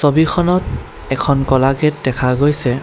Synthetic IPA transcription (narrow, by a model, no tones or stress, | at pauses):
sobixʰɔnɔt | ɛkʰɔnkɔlaɡɛt̚dɛkʰaɡojsɛ